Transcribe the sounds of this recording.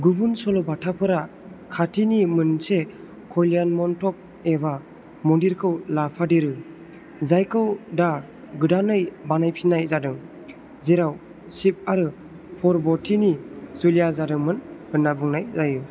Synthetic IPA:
ɡubunsɔlɔbatʰapʰɯɾa | kʰatʰinimɯnse | kʰɔjlijanmɔntʰɔp̚ | eβa | mɔndiɾkʰɯwlapʰadeɾɯ | zajkʰɯwda | ɡɯdanɯjbanajpʰinajzadɯŋ | zeɾaw | sip̚aɾɯ | pʰɔɾbɔtʰinizulijazadɯŋmɯnhɯnːabuŋnajzajɯ

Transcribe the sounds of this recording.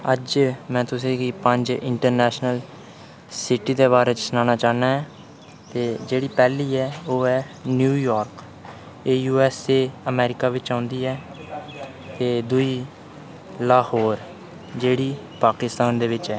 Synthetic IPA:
əd͡ʒmɛ̃ːt̪ʊsĩːɡiːpəɲd͡ʒɪ̰ɳʈəɾnɛːʃnəl | sɪʈiːd̪eːβaːɾeːt͡ʃəsnaːnaːt͡ʃaːnaːɦɛː | t̪eːd͡ʒeːɽiːpɛːliːɛːoːɛː | njuːjaːɾk | eːjuːɛːseːəmɛːɾɪkaːʋɪt͡ʃãːnd̪iːɛː | t̪eːd̪ʊiː | laːhoːɾ | d͡ʒeːɽiː | paːkɪst̪aːnd̪eːʋɪt͡ʃɛː

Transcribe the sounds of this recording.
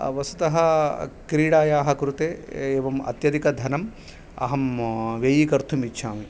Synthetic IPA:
ʋɐsu̥t̪ɐɦɐkɾiːɽaːjaːɦɐkɾut̪eːeːʋɐmɐ̰t̪jɐd̪ʱikɐd̪ʱɐnɐm | ɐ̰ɦɐmʋeːjikɐɾt̪ʰumitːʃʰaːmi

